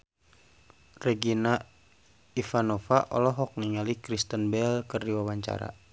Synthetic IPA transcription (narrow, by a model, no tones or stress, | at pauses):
rɛɡina | ifanɔfaʔɔ̰lɔɦɔk̚niŋalikɾist̪ənbɛlkərdiwawaɲt͡ʃa̰ɾa̰